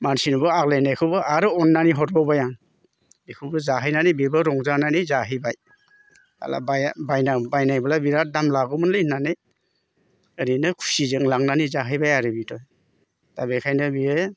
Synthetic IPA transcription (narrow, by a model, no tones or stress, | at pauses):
mansinɔbɯaklajnajkʰɯbɯʔaɾɯɔnːaniɦɔtbɔbajaŋ | bekʰɯbɯzaɦɯjnanibebɯɾɔŋzananizaɦɯjbaj | a̰la̰bajbajnabajnajbɯlabiɾat̚damlaɡɯmɯnlɯjnanɯj | əɾinɯkʰu̥sizɯŋlaŋnanizaɦɯjbajaɾɯbitʰɔj | tabekʰajnɯbie